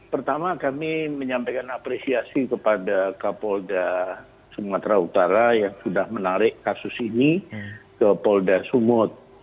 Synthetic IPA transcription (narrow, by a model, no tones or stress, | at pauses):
pərt̪amakamiməɲampajkanapɾesiasikəpadakapɔlda | səmat̪ɾaut̪aɾajaŋsudahmənaɾɪkkasʊsinikəpɔldasumʊt̪̚